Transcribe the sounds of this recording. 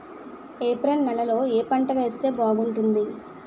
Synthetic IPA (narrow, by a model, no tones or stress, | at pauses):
eːpɾenːɛlɐlo̞ːeːpɐɳʈɐʋe̞ːst̪e̞ːbaːɡuɳʈund̪i